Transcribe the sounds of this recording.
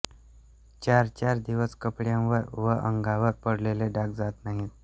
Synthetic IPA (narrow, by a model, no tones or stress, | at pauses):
t͡ɕaɾt͡ɕaɾd̪iʋəskəpɽjãʋəɾʋəʔəŋɡaʋəɾpəɽleleɖakd͡zat̪naɦit̪